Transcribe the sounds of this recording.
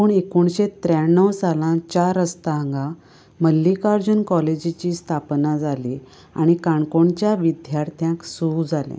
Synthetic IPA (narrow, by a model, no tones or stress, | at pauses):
uːɳekoɳɕet̪ːɾjaɳːəwsalãt͡ɕaɾəst̪aəŋɡa | məlːikaɾd͡ʑunkɔled͡ʑit͡ɕiːst̪ʰapnad͡zali | a̰ɽ̃ikaɳkoɳt͡ɕjaʋid̪jaɾt̪ʰjãksud͡zʱalḛ̃